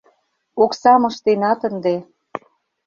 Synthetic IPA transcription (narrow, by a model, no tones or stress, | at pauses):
oksɑmɤ̆ʃt̪enɑt̪ə̆nd̪e